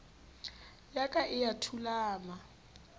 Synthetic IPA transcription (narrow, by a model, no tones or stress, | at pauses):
jakʼaʔɪjatʰulaːma